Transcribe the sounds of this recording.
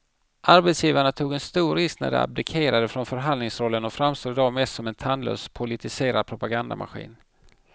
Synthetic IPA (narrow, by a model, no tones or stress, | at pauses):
ʔaɾbɛt̪sjiːvaɳat̪ʰuːɡɛnst̪uːɾɪsknæ̰ɖɛ̰a̰b̚d̪ɪkʰeːɾad̪əfɾɔnfœɾɦanlɪŋsɾɔlːənɔfɾamst̪uːd̪d̪ɑːmɛsɔmɛnt̪ʰanlø̰ːspʰʊlɪt̪ʰɪseːɾad̪̚pʰɾʊpaɡand̪a̰mʔa̰ɧḭːn